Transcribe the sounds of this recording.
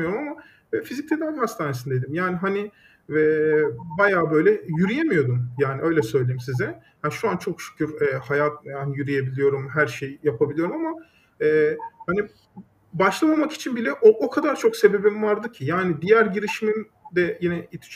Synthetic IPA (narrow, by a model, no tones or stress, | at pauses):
joɾumama | vɛfizic̚t̪ʰɛd̪anhast̪aːnesind̪ed̪imjaːniɦani | ɛbajaːbø̞jlʲɛjyɾijemijo̞d̪umjaːniʔø̞jlʲɛsø̞jlʲejimsizɛ | hanʃuant͡ʃʰo̞kʃy̥cʰʲyɾɛːhajat̪̚jaːnjyɾije̞bilʲijo̞ɾumɦæɾʃejjapʰabilʲijo̞ɾumama | ɛːhani | baʃlˠamamaki̥t͡ʃʰinbilʲɛʔoʔokʰad̪aɾt͡ʃʰo̞kse̞be̞bimvaɾd̪ɯcʰijaːnid̪ijæɾɟiɾiʃimin | d̪ɛjinɛit̪ʰi̥t͡ʃ